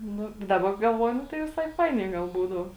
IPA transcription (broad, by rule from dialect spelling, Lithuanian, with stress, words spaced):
ˈnʊ dɐˈbɐ ɡɐlˠˈʋuɔjʊ ˈnʊ tɐɪ ʋʲɪˈsɐɪ ˈfɐɪnʲɛɪ ɡɐlˠ ˈbuːdɐʊ